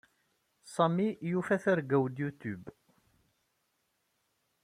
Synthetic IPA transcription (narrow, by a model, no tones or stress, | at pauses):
sˤɑmijufæθaɾɡæwd̪jut̪ub